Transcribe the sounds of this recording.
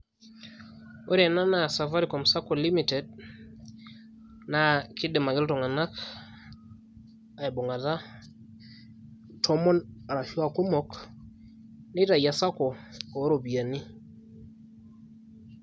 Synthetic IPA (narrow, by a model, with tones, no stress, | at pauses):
o˦ɾa˨na˦na˨sa˨fa˦ɾi˨kɔ˨msa˦kɔ˨li˦mi˨tɛ˨d | na˨kɪ˦de˨ma˨ɡɪ˦ltɔ˨ŋa˨na˦k | a˨ɛ˨bo˨ŋa˨ða˦ | tʰɔ˦mɔ˦na˨ɾa˨ʃa˨ko˦mɔ˦k | nɪ˦ta˨ja˨sa˦kɔ˨ɔ˨˦ɾo˨bi˨a˨ni˦